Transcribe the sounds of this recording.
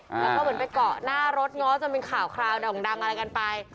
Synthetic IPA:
laː˦˥k̪ʰa˧mɯ˩˦pa˧jkɔ˨˩naː˥˩ɾo˦˥t̪̚ŋɔː˦˥t͡ɕa˧˩mi˧nkʰaː˨˩wkʰɾaː˧wna˧˩o˨˦ŋda˧ŋʔa˧ɾa˧jka˧npa˧j

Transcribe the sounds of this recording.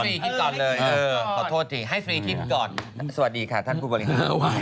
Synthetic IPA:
iː˧kʰi˦˥t̪̚kɔː˨˩nlɤː˧jɤː˧kʰɔː˨˩˦t̪ʰoː˥˩t̪ʰːi˧˩ɦa˥˩jfɾiː˧k̪ʰi˦˥t̪̚kɔː˨˩nsa˧wa˨˩diː˧kʰa˥˩t̪ʰa˥˩nkʰu˧bɔː˧li˧a˧˩

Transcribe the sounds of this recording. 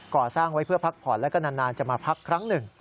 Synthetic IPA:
kɔː˨˩saː˥˩ŋwa˦˥jpʰɯ˥˩ɐpʰa˦˥k̚pʰɔː˨˩nlɛ˦˥ka˧naː˧nːaː˧nt͡ɕa˨˩maː˧pʰa˦˥kʰːɾa˦˥ŋnɯ˨˩ŋ

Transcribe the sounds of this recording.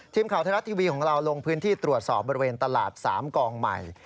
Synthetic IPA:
t̪ʰiː˧mkʰa˨˩wt̪ʰa˧ɾa˦˥t̪ʰiː˧wiː˧kʰɔː˩˦ŋɾa˧wlo˧ŋpʰɯː˦˥nt̪ʰiː˥˩t̪ɾu˨˩ət̪̚sɔː˨˩p̚bɔː˧ɾi˧weː˧nt̪a˧laː˨˩t̪̚sa̰ː˩˦mkɔː˧ŋma̰˨˩j

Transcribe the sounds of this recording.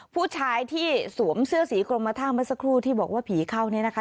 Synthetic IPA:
pʰuː˥˩t͡ɕʰaː˧jt̪ʰiː˥˩su˨˩˦əmsɯ˥˩əsiː˨˩˦kɾo˧mːa˧t̪ʰaː˥˩ŋma˦˥t̚sa˧kʰɾuː˥˩t̪ʰiː˥˩bɔː˨˩k̚waː˥˩pʰiː˨˩˦kʰa˥˩wni˦˥ɐna˦˥kʰa˦˥

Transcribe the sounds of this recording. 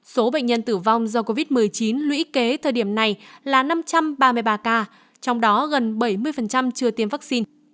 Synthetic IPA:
so˨˦ɓə̰˧˨ŋ̟ɲə˧nt̪ɨ˧˩va˧wŋ͡mzɔ˧ko˧vi˦˥t̚mɨ˨˩əjt͡ɕi˨˦nlwḭ˧˥ke˨˦t̪ʰəː˨˩ɗi˧˩əmna˨˩jlaː˨˩na˧mt͡ɕa˧mɓaː˧mɨ˧əjɓaː˧kaː˧ | t͡ɕɔ˧wŋ͡mɗɔ˨˦ɣə˨˩nɓə˧˩jmɨ˧əjfə˨˩nt͡ɕa˧mt͡ɕɨ˧ət̪i˧˩əmvaː˦˥k̚si˧n

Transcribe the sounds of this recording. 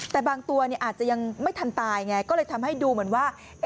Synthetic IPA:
t̪ɛː˨˩baː˧ŋt̪u˧ɐni˥˩ʔaː˨˩t̪̚t͡ɕa˨˩ja˧ŋma˥˩jt̪ʰa˧nt̪aː˧ja˨˩ŋa˧˥jkɔː˥˩lɤː˧jt̪ʰa˧mha˥˩jduː˧mɯ˨˩˦ənwaː˥˩

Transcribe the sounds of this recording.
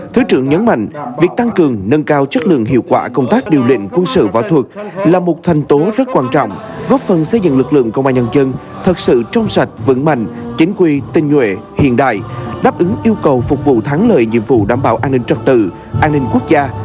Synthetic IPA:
t̪ʰɨ˨˦t͡ɕɨ˧˩əŋɲə˨˦nma̰˧˨jŋ̟vi˨˩ək̚t̪a˧ŋkɨ˨˩əŋnə˧nkaː˧wt͡ɕə˦˥t̚lɨ̰˧˨əŋɦḭ˧˨əwkwaː˧˩kə˧wŋ͡mt̪aː˦˥k̚ɗi˨˩əwlḭ˧˨ŋ̟kwə˧nsɨ̰˧˨va̰˧˩wt̪ʰu˨˩k̚laː˨˩mo˨˩t̚t̪ʰɛ˨˩jŋ̟t̪o˨˦zə˦˥t̚kwaː˧nt͡ɕɔ̰˧˨wŋ͡m | ɣɔ˦˥p̚fə˨˩nsə˧jzɨ̰˧˨ŋlɨ˨˩k̚lɨ̰˧˨əŋkə̰˧wʔaː˧nɲaə˧nzə˧n | t̪ʰə˨˩t̚sɨ̰˧˨t͡ɕɔ˧wŋ͡msa˨˩jt̟̚və̰˧˥nma̰˧˨jŋ̟t͡ɕï˨˦ŋ̟kwi˧t̪ï˧ŋ̟hwḛ˧˨hḭ˧˨ənɗa̰ː˧˨jɗaː˦˥p̚ʔɨ˨˦ŋʔi˧əwkə˨˩wfʊ˨˩k͡p̚vṵ˧˨t̪ʰaː˨˦ŋlə̰ː˧˨jɲḭ˧˨əmvṵ˧˨ɗa̰ː˧˩mɓaː˧˩wʔaː˧nːi˧ŋ̟t͡ɕə˧˩t̚t̪ɨ˧˩ | ʔaː˧nːï˧ŋ̟ku˦˥ək̚zaː˧

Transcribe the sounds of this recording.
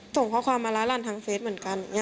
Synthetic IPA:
so˨˩ŋkʰɔː˧˥˩kʰwaː˧mːaː˧laː˦˥laː˧˩nt̪ʰaː˧ŋfeː˦˥t̚m˨˩˦nka˧n˨˩ŋa˧˥

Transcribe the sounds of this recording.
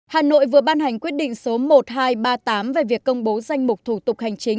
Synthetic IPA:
haː˨˩no̰˧˨jvɨ˨˩əɓaː˧nha˨˩jŋ̟kwi˦˥ət̚ɗḭ̈˧˨ŋ̟so˨˦mo˨˩t̚haː˧jɓaː˧t̪aː˨˦mve˨˩vi˨˩əkːə˧wŋ͡mɓo˨˦za˧jŋ̟mʊ˨˩k͡p̚t̪ʰu˧˩t̪ʊ˨˩k͡p̚ha˨˩jŋ̟t͡ɕï˨˦ŋ̟

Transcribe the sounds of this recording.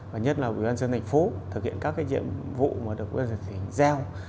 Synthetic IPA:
aː˨˩ɲ˦˥t̚laː˨˩wḭ˧˩˦waː˧nsəː˧nt̪ʰa˨˩ŋ̟fo˨˦t̪ʰɨ˨˩k̚hḭ˧˨ənkaː˦˥kaː˨˦jzḭ˧˨əmvṵ˧˨məː˨˦ɗɨ˨˩ək̚wnt̪ə˨˩t̪ʰi˨˦˨ŋzɛ˧w

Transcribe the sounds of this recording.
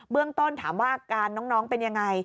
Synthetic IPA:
bɯ˥˩əŋt̪o˥˩nt̪ʰa̰ː˩˦mwaː˥˩kaː˧nːɔː˦˥ŋnɔː˦˥ŋpe˧nja˧ŋːa˧j

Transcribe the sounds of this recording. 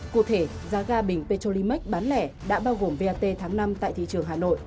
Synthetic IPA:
kṵ˧˩˨t̪ʰe˧˩ | zaː˨˧ɣaː˧ɓï˨˩ŋ̟pe˧t͡ɕo˧li˧mi˦˥k̟̚ɓaː˨˦nlɛ˧˩ | ɗa̰ː˧˥ɓaː˧wɣo˨˩əmve˧aː˧t̪e˧t̪ʰaː˨˦ŋna˧mt̪a̰ː˧˨jt̪ʰḭ˧˨t͡ɕɨ˨˩əŋɦaː˨˩no̰˧˨jʔ

